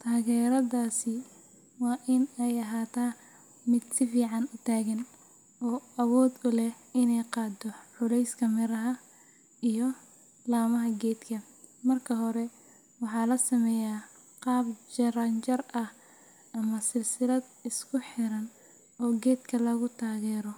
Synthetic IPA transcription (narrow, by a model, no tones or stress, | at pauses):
t̪ʰaːɣɛːɾɐðaːsɪ | wɑːʔɪnɛjɐɦaːt̪ʰaː | mɪd̪sɪfiːʕɑnʊt̪ʰaːɣɐn | ʔɔːɐwɔːd̪ʊlɛɪnɛjqɑːd̪ɔʕʊlɛjskʰɐmɪɾɐɦɐ | ijɔ | laːmɐɦɐɡɛːd̪kʰɐ | mɐrkʰɐɦɔɾɛ | wɑħɑːlɐsɐmɛjaː | qɑːbt͡ʃɐɾɐnt͡ʃɐrʔɐh | ɐmɐsɪlsɪlɐd̪ | ɪskʰʊħɪɾɐn | ʔɔːɡɛːd̪kʰɐlɐɣʊt̪ʰaːɣɛːɾɔ